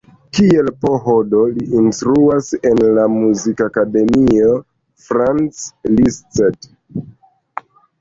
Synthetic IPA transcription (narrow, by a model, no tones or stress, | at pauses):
kie̞lpo̞ɦodo̞liʔinstɾuase̞nlamuzikakade̞mio | fɾant͡slist͡set